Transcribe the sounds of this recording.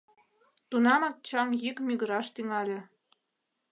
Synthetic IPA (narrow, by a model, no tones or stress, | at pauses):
t̪unɑmɑk̚t͡ɕɑmjikmyɣə̆ɾɑʃt̪yŋɑlʲĕ